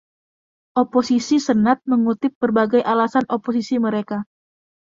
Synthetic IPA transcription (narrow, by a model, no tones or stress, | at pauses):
ʔoposisisənat̪̚məŋut̪ɪp̚bərbaɡajʔalasanʔopos̬isiməɾeka